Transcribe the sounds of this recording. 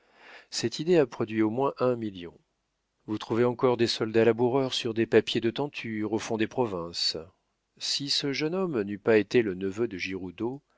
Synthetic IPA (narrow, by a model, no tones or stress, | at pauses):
sɛt̪id̪eapχɔd̪ɥiomwɛ̃ʔɛ̃miljɔ̰̃ | vut̪χuveɑ̃kɔʁd̪esɔld̪alabuʁœʁsyʁd̪epapjed̪ət̪ɑ̃t̪ʰyʁofɔ̃d̪epχɔvɛ̃s | sisəʒənɔmnypaet̪elənəvød̪əʒiʁud̪o